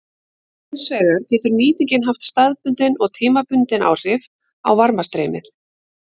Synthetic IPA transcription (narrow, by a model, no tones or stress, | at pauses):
nsvɛːɣaɾ̥cɛːt̪ʏɾniːt̪iɲcɪnɦaft̪st̪aðpʏnt̪ɪnɔɣt̪ʰiːmapʏnt̪ɪna̰wr̥ɪv | a̰wvaɾmast̪ɾeːjmɪ̰θ